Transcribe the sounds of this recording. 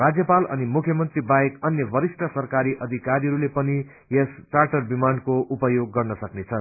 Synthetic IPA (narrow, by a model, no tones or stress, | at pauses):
rad͡zjʌpalʌ̰nimukʰjʌmʌnt̪ribajekʌnjʌbʌɾisʈʰʌsʌrkaɾiʔʌd̪ʱikaɾiɦʌɾulepʌni | jest͡sarʈʌrbimankoʔupʌjoɡːʌrnʌsʌknet͡sʰʌn